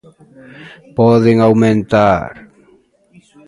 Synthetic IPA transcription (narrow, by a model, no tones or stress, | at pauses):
pɔðeŋawmẽnt̪aɾ